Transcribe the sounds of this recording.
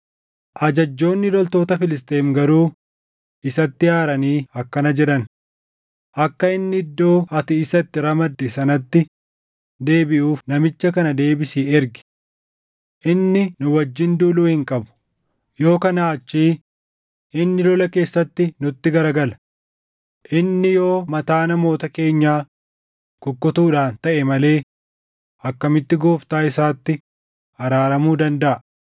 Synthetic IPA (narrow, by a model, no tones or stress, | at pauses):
ʔɐd͡ʒɐd͡ʒːo̞ːnːɪlɔlt̪o̞ːt̪ɐfɪlɪs̬t̪eːmɡɐɾuː | ʔɪsɐt̪ːɪjaːɾɐniːɐkːɐnɐd͡ʒɛᶑɐn | ʔɐkːɐɪnːɪɪd̪ːo̞ːʔɐt̪ɪːsɐt̪ːɪɾɐmɐd̪ːɛsɐnɐt̪ːɪ | d̪e̞ːbɪʔuːfnɐmɪt͡ʃːɐkɐnɐd̪e̞ːbɪsiːɛɾɡɪ̥ | ʔɪnːɪnʊwɐd͡ʒːɪnd̪uːluːhɪŋkʼɐbʊ̥ | jo̞ːkɐnaːɐt͡ʃːiː | ʔɪnːɪlɔlɐke̞ːsːɐt̪ːɪnʊt̪ːɪɡɐɾɐɡɐlɐ | ʔɪnːɪjo̞ːmɐt̪aːnɐmo̞ːt̪ɐke̞ːɲːaː | kʊkːʊt̪uːᶑaːnt̪ɐʔɛmɐle̞ː | ʔɐkːɐmɪt̪ːɪɡoːft̪aːɪsaːt̪ːɪ | ɐɾaːɾɐmuːd̪ɐnd̪ɐʔɐ